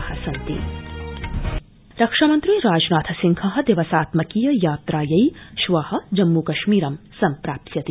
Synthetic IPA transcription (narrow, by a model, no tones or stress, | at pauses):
hɐsɐnt̪ḭ | ɾɐkʂɐmɐnt̪ɾiɾaːd͡ʒnaːt̪ʰɐsiŋkʰɐɦɐ̆d̪eʋɐsaːt̪mɐkiːjɐjaːt̪ɾaːjɐjʃʋɐhɐ̆d͡ʒɐmːukɐʃmiːɾɐm | sɐmpɾaːp̚t̪ʰjɐt̪i